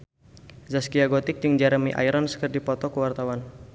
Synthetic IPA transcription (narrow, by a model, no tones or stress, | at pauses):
zaskiaɡɔt̪ɪk̚d͡ʒəŋd͡ʒaɾəmiʔa̰jɾɔnsə̥kərdipɔt̪ɔkəwart̪awan